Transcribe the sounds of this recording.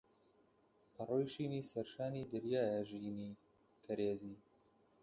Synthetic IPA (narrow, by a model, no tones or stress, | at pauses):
pʰɐroːjʃiːniːsɛɾʃaːniːd̪ɨɾjaːjɛʒiːniː | kʰɐɾeːziː